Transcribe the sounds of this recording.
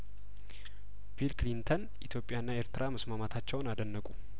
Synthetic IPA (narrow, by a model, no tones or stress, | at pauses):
bilklint̪ʰən | ʔit̪ʰjo̞pʼjanːae̞ɾt̪ɨɾʔaməsmamat̪ʰat͡ʃːɛwnad̪ənːəkʼu